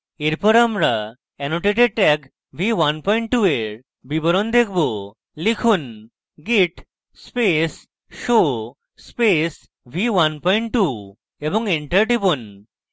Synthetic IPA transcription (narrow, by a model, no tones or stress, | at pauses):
eɾpɔɾamɾa | ɛnoʈeʈeɖ̚ʈɛk | bʱiwanpɔjɳʈʈːueɾ | biboɾond̪ekʰbo | likʰun | ɡiʈ | spes | ʃo | spes | bʱiwanpɔiɳʈʈu | eboŋeɳʈaɾɖibon